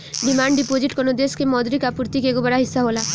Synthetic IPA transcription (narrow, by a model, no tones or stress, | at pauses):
ɖimaɳɖɖipod͡ʒiʈkonod̪eskemɔd̪ɾikapuɾt̪ikeɡobaɾaɦisːaɦola